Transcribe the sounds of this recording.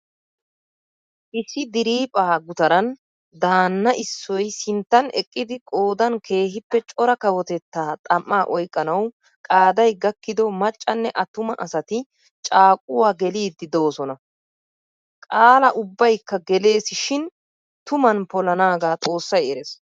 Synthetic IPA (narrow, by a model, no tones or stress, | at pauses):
ʔɪsːɪd̪ɪɾiːpʼaːɡʊt̪ɐɾɐn | d̪aːnːɐʔɪsːɔjsɪnt̪ːɐnɛ̰kʼːɪd̪ɪkʼo̞ːd̪ɐnkʰe̞ːɦɪpːɛt͡ʃʼɔɾɐkɐwɔt̪ɛt̪ːaːt̪ʼɐmːaːʔɔjkʼːɐnɐw | kʼaːd̪ɐjɡɐkːɪd̪ɔmɐt͡ʃʼːɐnːɛʔɐt̪ʊmɐʔɐsɐt̪ɪ | t͡ʃʼaːkʼʊwaːɡɛliːd̪ːɪd̪o̞ːsɔnɐ | kʼaːlɐʔʊbːɐjkːɐɡɛle̞ːsɪʃɪn | t̪ʊmɐnpɔlɐnaːɡaːt̪ʼo̞ːsːɐjɛɾes